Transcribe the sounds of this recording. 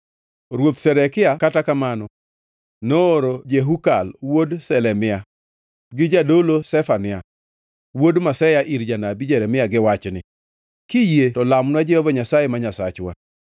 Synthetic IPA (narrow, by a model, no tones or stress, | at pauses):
ɾwot̪sɛɾɛkɪakatakamanɔ | noːɾod͡ʒeɦukalwodsɛlɛmɪa | ɡɪd͡ʒadolosɛfanɪa | wodmasɛjaʔiɾd͡ʒanabid͡ʒɛɾɛmɪaɡɪwat͡ʃnɪ | kɪjetɔlamnwad͡ʒɛjɔvɔɲasajemaɲasat͡ʃwa̰